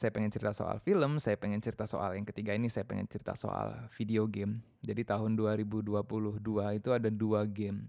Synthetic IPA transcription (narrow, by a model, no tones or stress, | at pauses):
sajapəŋɛnt͡ʃəɾit̪aso̰a̰lfiləmsajapəŋɛnt͡ʃiɾit̪aso̰ʔa̰ljaŋkət̪iɡainisajapəŋɛ̰nt͡ʃəɾit̪a̰so̰a̰lfideoɡɛm | d͡ʒadit̪aɦʊnduaɾibuduapulʊhduait̪uadaduaɡɛm